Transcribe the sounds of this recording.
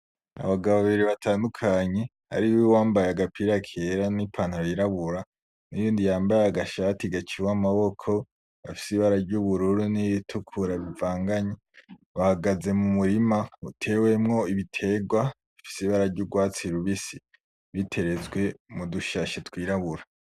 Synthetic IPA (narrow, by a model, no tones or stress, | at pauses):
a̰βaɡaβoaaβiɾiβatʰaːndukʰaɲe̞ | ha̰ɾiwewaːmbajaɡapʰiɾakʰeɾanipʰaːn̥haβiɾaβuɾa | nijiːndijaːmbajaaɡaʃatiɡat͡ʃiwamaβo̞kʰo̞ | βafi̥siβaɾaɾɟuβuɾuɾuniβitʰukʰuɾaβivaːŋɡaɲe | βahaɡaze̞mumuɾimautʰe̞we̞mŋo̞iβitʰe̞ɡwa | βifi̥siβaɾaɾɟuɡwaːt͡siɾuβisi | βitʰe̞ɾe̞zɡwe̞muduʃaʃetwiːɾaβuɾa